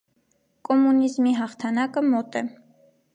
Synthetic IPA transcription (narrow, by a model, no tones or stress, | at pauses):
kʼɔmunizmiɦɑχt̪ʰɑnɑkəmɔt̪ɛ